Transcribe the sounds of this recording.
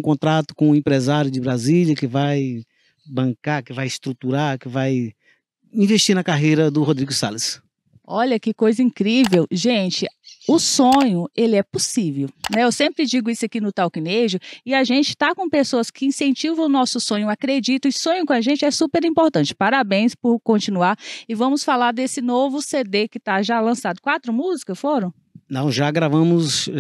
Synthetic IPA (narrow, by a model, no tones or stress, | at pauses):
kõnt̪ɾat̪ʊ̥kõʊẽmpɾezaɾjʊd͡ʒɪbɾaziljɐkɪvaj | bɐ̃ŋkakɪvajɪst̪ɾut̪uɾakɪvaj | ĩveʃt͡ʃiɾnɐkaɦejɾɐd̪ʊɦod̪ɾiɡʊsalɪs | ɔʎɐkɪkojzɐĩkɾivewʒẽt͡ʃɪʊsõɲʊelɪɛpʊsivewnɛewsẽmpɾɪd͡ʒiɡʊisʊakinʊt̪awkineʒʊɪaʒẽnt͡ʃɪ̥t̪akõpesoɐskɪĩsẽnt͡ʃivɐ̃w̃ʊnɔsʊsõɲʊakɾed͡ʒit̪ɐ̃sõɲʊkõaʒẽnt͡ʃɪɛsupeɾĩmpoɾt̪ɐ̃t͡ʃɪ̥paɾabẽj̃spʊɾkõt͡ʃĩnuaɾɪvɐ̃mʊsfalaɾd̪esɪnovʊsed̪ekɪt̪aʒalɐ̃sad̪ʊkwat̪ɾʊmuzikɐsfoɾɐ̃w̃ | nɐ̰̃w̃ʒaɡɾavɐ̃mʊz